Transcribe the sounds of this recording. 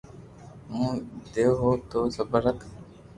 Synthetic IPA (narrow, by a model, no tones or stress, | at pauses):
mũːd̪eːɦoːt̪oːsəbəɾək